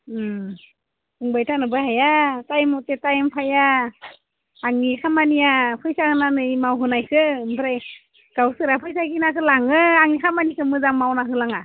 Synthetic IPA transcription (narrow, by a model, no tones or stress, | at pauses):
ɯŋbajtʰanɯbahajatajmɔtetajmpʰaja | ŋnikʰamanijapʰɯjsahɯnanɯimawɦɯnajkʰɯmpʰɾaj | ɡ̥awsɯɾapʰɯjsakinakɯlaŋɯaŋnikʰamanikʰɯmɯzaŋmawnaɦɯlaŋa